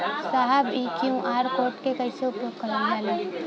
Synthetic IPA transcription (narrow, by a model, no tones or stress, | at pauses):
saɦɛbiːkjũʔaːɾkoːɾʈkekɐɪseʊpjoːɡ̚kɐɾnaːle